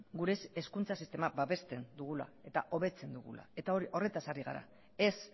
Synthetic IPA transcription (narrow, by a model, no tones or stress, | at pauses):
ɡuɾeseskunt͡sasist̪e̞mabaβe̞st̪e̞nd̪uɣ̞ula̰e̞t̪aʔo̞β̞e̞t͡se̞nd̪uɣṵla̰e̞t̪aoɾo̞re̞t̪asariɣa̰ɾa̰ | e̞s